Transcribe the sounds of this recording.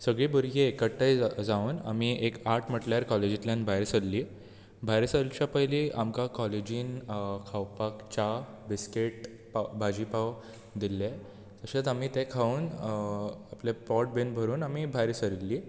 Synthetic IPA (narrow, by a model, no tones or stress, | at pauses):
səɡɭiːbuɾɡeːkəʈːəjd͡zauːna̰miekaɾʈʰm̤əʈljaɾkɔled͡ʑit̪ljãnbʱajɾsəlːiː | bʱajɾəsəlt͡ɕapəjliʔamkakɔled͡ʑiːnkʰawpakt͡ɕa | biskeʈ | pabʱad͡ʑipaw | d̪ilːe | t̪əɕat͡samit̪ẽkʰauːn | aplepɔʈ̚benbʱəɾuːnamibʱajɾisəɾilːiː